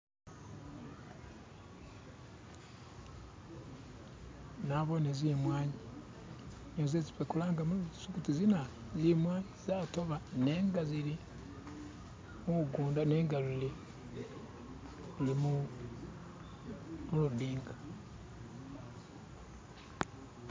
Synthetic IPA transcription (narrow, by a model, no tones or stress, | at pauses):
naβonezimwaːɲi | ɲozezipekulaːŋɡamusukutizina | zimwaːɲizaːtoβane̞ːŋɡazili | muuɡuːndaneːŋɡaluli | lulimu | muludiːŋɡa